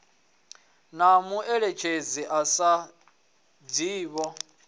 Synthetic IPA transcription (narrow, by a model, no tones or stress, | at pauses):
namuʔɛɺet͡ʃʰed͡ziʔasa | d͡ziːβɔ